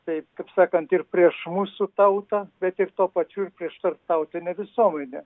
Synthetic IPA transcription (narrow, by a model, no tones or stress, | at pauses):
t̪ɐɪkɐpsɑːkɐnt̪ɪrpʲɾʲiɛʃmuːsʊt̪ɐʊt̪ɐbʲɛt̪ɪrt̪oːpɐt͡ʃʲuːɪɾpʲɾʲiɛʃt̪ɐrt̪ɐʊt̪ʲɪnʲɛʋʲɪsuɔmʲɛnʲɛ